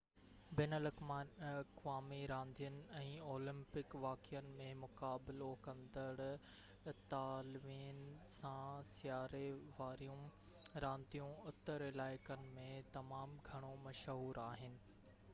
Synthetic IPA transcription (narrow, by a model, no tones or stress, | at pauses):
bɛːnəlɐkmaːɐkʋaːmiɾãːnd̪ʱijənɪ̆ɛ̃ːoːlɪ̃mpɪkʋaːkɪjənɪ̆mẽmʊkaːbɪlokɐ̃nd̪əɽ | t̪aːlʋiːnsãsɪjaːɾeʋaːɾijũ | ɾãːnd̪ʱijũʊt̪ːəɾɪlaːɪkənɪ̆mẽt̪ɐmaːmɡʱɐɽ̃omɐʃɦuːɾaːɦɪnɪ̆